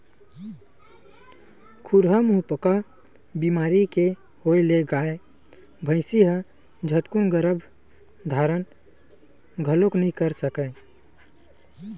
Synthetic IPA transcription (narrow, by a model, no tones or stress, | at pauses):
kʰuɾɦəmũpəka | bimaːɾike | hoileɡaːe | bʱəɪsiɦə | d͡ʒʱəʈ̪kunɡəɾəbʱ | d̪ʱaːɾən | ɡʱəloknəɦĩkəɾsəkə